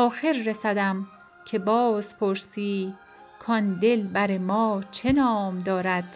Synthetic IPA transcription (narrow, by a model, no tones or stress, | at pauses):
ʔɒːxeɾːesæd̪æm | cʰe̞bɒːz̥pʰoɾsiː | kʰɒnd̪elbæɾemɒːt͡ʃʰenɒːmd̪ɒːɾæd̪̥